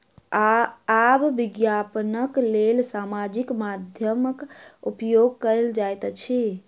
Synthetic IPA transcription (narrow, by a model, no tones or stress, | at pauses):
aː | bːiɡjapnəklelsamad͡ʒikmad̪ʱjəməkupjoɡ̚kəɾld͡ʒajt̪t͡ʃʰi